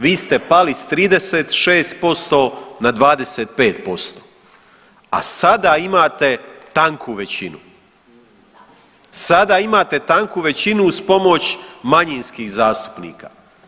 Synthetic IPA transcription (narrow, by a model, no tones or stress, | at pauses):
ʋiːst̪e̞palist̪ɾiːd̪eseːt̪ʃeːst̪̚po̞st̪o̞nad̪ʋaːd̪e̞seːt̪̚peːt̪̚po̞st̪oː | a̰sad̪aimaːt̪e̞t̪aŋkʰuʋe̞t͡ɕinu | sad̪aimaːt̪e̞t̪aŋkuʋe̞t͡ɕinuːspo̞mo̞t͡ɕmaɲinskixzaːst̪u̥pnḭːka̰ː